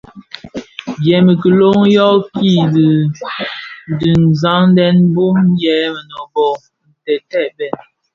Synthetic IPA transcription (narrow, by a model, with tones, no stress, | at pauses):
bjɛ˨mə˨kə˨lo˦ŋjɔ˦ki˦˨di˨ | di˨n̩˨za˦ŋn˦dɛ˦nbu˦m˦jɛ˨˦mə˨nɔ˨bɔ˦˨ | n̩˨tɛ˨tɛ˦˨bɛ˨n